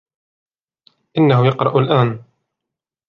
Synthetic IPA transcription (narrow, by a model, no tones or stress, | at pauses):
ʔɪnːaɦʊjɑqɾˤɑʔalʔaːn